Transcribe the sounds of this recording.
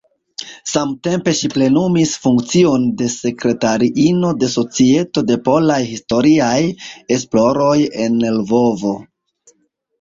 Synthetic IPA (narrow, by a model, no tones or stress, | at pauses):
samte̞mpe̞ʃiple̞numisfuŋk̚t͡sio̞nde̞se̞kɾe̞taɾiʔino̞de̞so̞t͡sie̞to̞de̞po̞lajhisto̞ɾiaje̞splo̞ɾo̞je̞ne̞lvo̞vo̞